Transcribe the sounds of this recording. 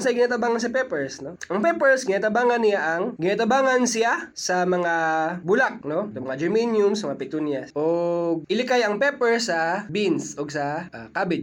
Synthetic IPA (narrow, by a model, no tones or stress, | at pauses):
sɐjɡɪnaːt̪ɐbaːŋɐns̬ɐpɛpɛɹsno̞ʔɐŋpɛpɛɹsɡɪnaːt̪ɐbaːŋɐnːɪjaʔɐŋɡɪnaːt̪ɐbaːŋɐnsɪjasɐmɐŋabʊlak̚nosɐmɐŋad͡ʒɛɹminjʊmsmɐŋapɪt̪unjɐsʔoɡ̚ʔɪlɪkajɐŋpɛpɛɹsɐbinsʔoɡsɐʔakabɪ